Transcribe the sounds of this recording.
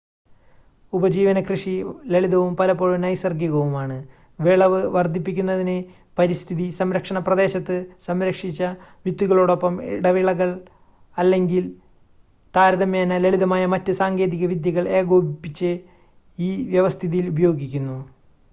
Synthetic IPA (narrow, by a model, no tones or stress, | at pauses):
ubɐd͡ʑiːʋɐnɐkrɨʂileɭiðɐʋumpɐlɐpːo̞ːɻunɐjsɐrɡuɣɐʋumaːɳɨ | ʋiɭɐʋɨʋɐrd̪ʱːipːikʲːunːɐðinɨ | pɐɾist̪ʰiðisɐmɾɐkʂɐɳɐprɐðe̞ːɕɐt̪ːɨsɐmɾɐkʂit͡ɕːɐʋjit̪ːuɣɐɭoːɽo̞pːɐmḭɽɐʋiɭɐɣɐɭ | ɐlːe̞ŋɡil | t̪aːɾɐðɐmjeːnɐleɭiðɐmaːjɐmɐtːɨsaːŋɡe̞ːðiɣɐʋid̪jɐɣɐɭe̞ːɡoːbipːit͡ɕːɨ | iːʋjeʋɐst̪ʰiðijilubɐjo̞ːɡikʲːunːu